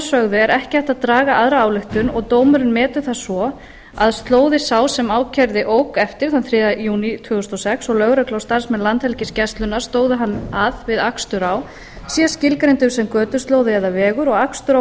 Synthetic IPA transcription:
sœɣðʏɛɾʔɛhcɪaht̪aðt̪ɾaːɣaʔaðɾaaːwlɪxt̪ʏnɔɣt̪oːwmʏɾʏnmɛːt̪ʏθasvɔ | aðst̪loːwðɪsaːwsɛmaːwcʰɛɾðɪʔoːwkɛft̪ɪɾ̥θanθɾɪːðajuːnit̪ʰvʏɣʏst̪ɔsɛksɔɣlœɣɾœklawst̪aɾ̥smɛðlant̪hɛlcɪscɛst̪lʏnːaɾ̥st̪oːwðʏɦanːaðvɪðakst̪ʏɾaw | siːascɪlkɾɪnt̪ʏmsɛmkœːt̪ʏ̥st̪loːwðɪɛðavɛːɣʏɾɔɣakst̪ʏɾa

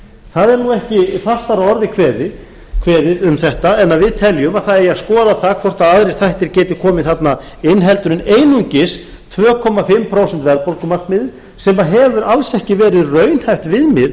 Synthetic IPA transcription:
θaðɛɾnuɛhcɪfast̪aɾaɔɾðɪkʰvɛːðɪ | kʰvɛːðɪʏmθɛht̪aɛnːaðvɪðt̪ʰɛljʏmaðθaðɛjaðskɔːðaθaðkʰvɔr̥t̪aðaðɾejɾ̥θajht̪ɪɾcɛːt̪ɪ̥kʰɔːmɪθat̪na | ɪnɦɛlt̪ʏɾɪneːjnuɲcɪs | t̪ʰvœːkʰɔmːafɪmːpʰɾoːwsɛnt̪vɛɾpolkʏmar̥k̪mɪðɪ | sɛmaɦɛvʏɾalsɛhcɪvɛːɾɪðrœːɥnhajft̪vɪðmɪð

